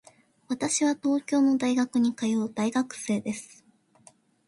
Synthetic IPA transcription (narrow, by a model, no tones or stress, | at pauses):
βat̪aɕiβat̪o̞ːkʲo̞ːno̞d̪aiɡakɯ̟ɲ̟ikajo̞ːd̪aiɡakɯ̟̥se̞ːd̪e̞sɨ̥